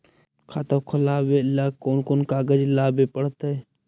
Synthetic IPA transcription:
kʰaːt̪əkʰəlaːbeːlaːkoːnkoːnkaːɡəd͡ʒlaːbeːpəɽt̪əe

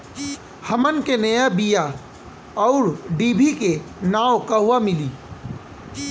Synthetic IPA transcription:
həmənkenəjabija | ɔʊɾɖiːbʱikenaːwkaɦʊwamɪliː

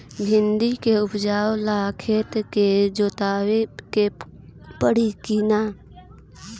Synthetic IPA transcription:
bʱɪ̃nd̪ikeʊpd͡ʒaːwlaːkʰeːt̪ked͡ʒoːt̪aːweke | pəɽikina

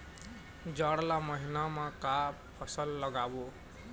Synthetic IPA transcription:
d͡ʒaɽlaməɦinamãka | pʰəsəlːəɡabo

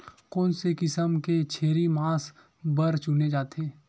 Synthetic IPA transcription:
kɔ̃ːnsekɪsəmket͡ʃʰeːɾimaːs | bɐɾt͡ʃʊned͡ʒaːt̪eː

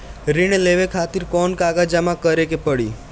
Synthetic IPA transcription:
ɾiɳ̃eleʋekʰat̪iɾkɔnkaɡad͡ʒamãkəɾekepəɽḭ

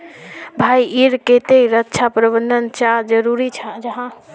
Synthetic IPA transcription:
bʱaiiɾket̪eɾətːt͡ʃʰapɾəbəndənt͡ʃad͡ʒəɾuɾit͡ʃʰəd͡ʒəɦã

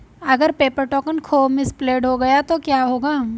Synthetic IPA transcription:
ɐɡəɾpeːpəɾʈɔːkənkʰoːmɪspleːɖɦoɡɐjat̪okjaːɦoːɡaː

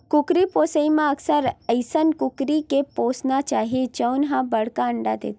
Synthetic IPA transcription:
kʊkɾipoːsəimãɐksəɾəɪsənkʊkɾikepoːsnat͡ʃaːɦiet͡ʃənɦãbɐɽ̤kaə̃ɳɖad̪ḛːt̪

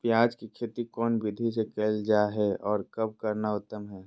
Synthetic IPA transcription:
pjaːd͡ʒkikʰeːt̪ikɔːnbɪd̪ʱisekɛːld͡ʒaːɦɛɔːɾkɐb̚kɐɾnaʊt̪ːəmɦɛː

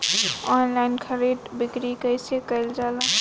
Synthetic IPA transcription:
ɔnlaɪnkʰəɾeɖbikɾikəjsekəɪld͡ʒala

